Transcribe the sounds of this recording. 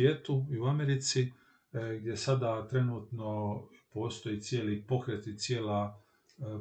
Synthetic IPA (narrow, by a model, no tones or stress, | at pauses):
jeːt̪uiuameɾit̪si | ɡd̪je̞sad̪at̪ɾe̞nuːt̪no̞po̞ːst̪o̞jit̪sʲje̞ːlipo̞kɾet̪it̪sjeːla